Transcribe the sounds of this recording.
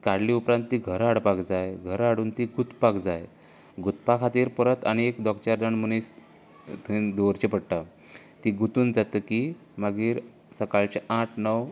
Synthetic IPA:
kaɽliupɾãnt̪ːiɡʱəɾaɽpakd͡zajɡʱəɾaɽuːnt̪iɡut̪pakd͡zaj | ɡut̪̚pakʰat̪iːɾpəɾət̪aniekd̪ɔkt͡ɕaɾd̪aɳmunis | t̪d̪oɾt͡ɕepəɽʈa | t̪iːɡut̪uːnd͡zat̪əki | maɡiːɾ | səkalt͡ɕeʔaʈʰnəw

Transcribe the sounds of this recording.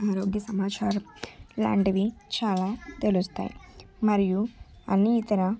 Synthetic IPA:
aːɾoːɡjɐsɐmaːt͡ʃaːɾla̰ːɳɖɐʋit͡ʃaːlaːt̪e̞lust̪a̰ːjḭ | mɐɾiju | ɐ̰nːiːt̪ɐɾɐ

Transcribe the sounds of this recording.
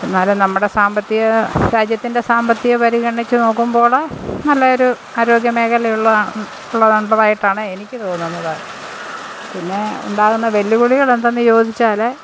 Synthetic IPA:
nːaːlenɐmːuɽe̞saːmbɐt̪ːiɣɐɾaːd͡ʑjɐt̪ːinde̞saːmbɐt̪ːiɣɐpɐɾiɣɐɳit͡ɕːɨno̞ːkːumbo̞ːɭnɐlːɐo̞ɾu | aːɾo̞ːɡjɐme̞ːkʰɐlɐjuɭːɐ | uɭːɐðɐɳɖɐðaːjiʈːaːɳɨe̞nikʲːɨt̪oːnːunːɐðɨ | pinːe̞ṵɳɖaːɣunːɐʋe̞lːuɣuɭiɣɐɭend̪enːɨjo̞ːd̪ʱit͡ɕːaːle

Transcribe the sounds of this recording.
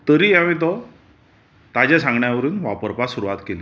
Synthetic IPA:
t̪əɾiːaʋ̃mit̪̬ɔ | t̪ad͡ʑasãŋɡɳjaʋəɾuːnʋapəɾpasuɾuʋat̪kele

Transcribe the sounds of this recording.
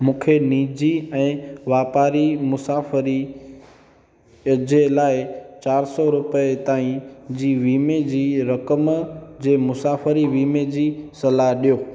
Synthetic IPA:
mũːkʰeniːd͡ʑiɛ̃ːʋaːpaːɾimʊsaːfəɾi | d͡ʑelaːɪt͡ɕaːɾsɔɾʊpəet̪aːĩd͡ʑiːʋiːmed͡ʑiːɾɐkəmd͡ʑeːmʊsaːfəɾiʋiːmed͡ʑiːsɐlaɦɗijoː

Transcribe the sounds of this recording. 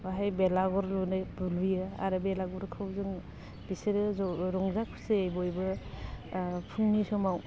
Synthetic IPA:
baɦajbelaɡɔɾlunɯjbuluijɯa̰ɾɯbelaɡɔɾkʰɯwzɯŋ | b̥isɯɾɯzɔɾɔŋzakʰu̥sejbɔjbɯ | pʰuŋnisɔmaw

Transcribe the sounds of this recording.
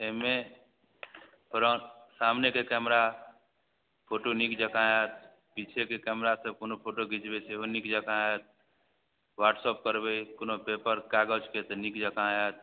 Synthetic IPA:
eɦme | pɾə̃samnekekɛmɾa | pʰoʈonikd͡ʒəkãet̪̚ | pit͡ʃʰekekɛmɾasəb̚konopʰoʈoɡit͡ʃbeseɦonikd͡ʒəkãet̪̚ | ʋaʈsɔp̚kəɾbejkonopepəɾkaɡəd͡ʒket̪nikd͡ʒəkãet̪̚

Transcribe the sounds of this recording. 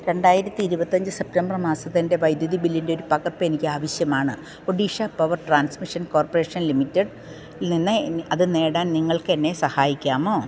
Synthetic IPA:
ɾe̞ɳɖaːjiɾɐt̪ʲːiːiɾubɐt̪ːɐɲd͡ʑɨsep̚tembrmaːsɐðinde̞ʋɐjd̪juðibilːinde̞o̞ɾupɐɣɐrpːɨenikʲːɨaːʋɐɕjɐmaːɳɨ | oɖiːʂɐpɐʋɐrʈraːnsmiʂɐnko̞ːrpore̞ːʂɐnlimitːeɖ | ninːɨɐðɨne̞ːɽaːnniŋːɐɭke̞nːe̞sɐhaːjikʲːaːmo̞ː

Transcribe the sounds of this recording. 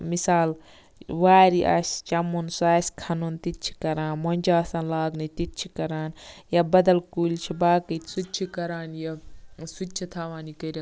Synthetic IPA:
misaːl | ʋaːɾiʔa̰ːst͡ʃɐmunsaːsʲkʰɐnunt̪it͡ʃʰi̥kɐɾaːnmonʲd͡ʒaːsɐ̃nlaːɡnit̪itt͡ʃʰikɐɾaːnjabɐd̪ɐlkuːlʲt͡ʃʰibaːkɐt̪sut͡ʃʰikɐɾaːnjɐsut͡ʃʰit̪ʰaːʋaːnikɐɾʲa

